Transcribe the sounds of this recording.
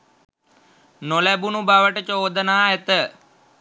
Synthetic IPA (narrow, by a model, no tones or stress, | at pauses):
nolæbunubaʋəʈət͡ʃoːd̪ənaːet̪ə